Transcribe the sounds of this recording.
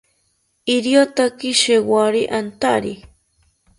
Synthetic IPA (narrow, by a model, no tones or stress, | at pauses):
iɾjot̪akiʃewaɾiʔant̪aɾi